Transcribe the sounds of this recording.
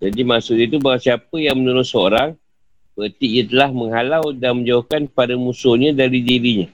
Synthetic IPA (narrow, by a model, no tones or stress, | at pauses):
d͡ʒandimasʊʔɲat̪ubaɡasiapəjaŋmənuɾʊsəoɾaŋ | bət̪iʔjat̪əlahməŋɦalawdanmə̃ɲd͡ʒawahkanpadamusoɲãdaɾidiɾiɲa